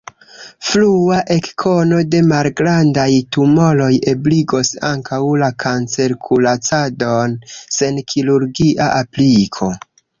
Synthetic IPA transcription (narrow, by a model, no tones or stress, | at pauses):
fluaʔe̞kkʰo̞no̞de̞malɡɾandajtumo̞lo̞jebliɡo̞saŋkʰawlakʰant͡seɾkʰulat͡sado̞nse̞nkʰiɾuɾɡiʔaʔaplikʰo̞